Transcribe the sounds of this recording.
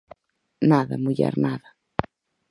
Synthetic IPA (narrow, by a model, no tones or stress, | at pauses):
naðɐmuʎɛ̰ɾnaðɐ